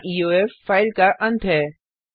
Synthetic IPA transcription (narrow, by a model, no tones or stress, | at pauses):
ʔiːoːefːaːɪlkaʔɐ̃nt̪ʰɦɛː